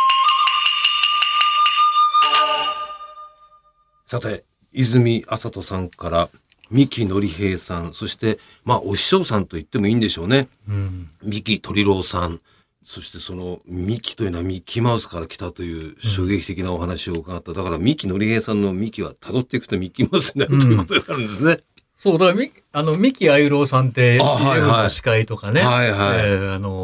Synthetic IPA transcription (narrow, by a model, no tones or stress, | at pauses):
sat̪e̞ | izɨmʲiʔasat̪o̞sãŋkaɾa | mʲikʲino̞ɾʲihe̞ːsãɰ̃so̞ɕi̥t̪e̞ | maːʔo̞ɕi̥ɕo̞ːsãnt̪o̞it̪ːe̞mo̞ĩːnd̪e̞ɕo̞ːne̞ | mʲikʲit̪ʰo̞ɾʲiɾo̞ːsãɴ̃ | so̞ɕi̥t̪e̞so̞no̞mʲikʲi̥t̪o̞i̟ːnoamʲikʲʰːimaɯ̟sɨ̥kaɾakʲi̥t̪at̪o̞jɯ̟ːɕo̞ːɡe̞kʲi̥t̪e̞kʲinao̞ɦanaɕio̞ɯ̟kaɡat̪ːad̪akaɾamʲikʲino̞ɾʲihe̞ːsãnːo̞mʲikʲiβa̰t̪ʰad̪o̞t̪ːe̞ikɯ̟t̪o̞mʲikʲːimaɯsɨɲinaɾɯ̟t̪jikot̪oɲnaɾɯ̃nd̪e̞sɨne | so̞ːd̪akmʲi | ano̞mʲikʲiaiɯɾo̞ːsãnt̪e̞ahaoaɕi̥kait̪o̞kane̞haiɦaiano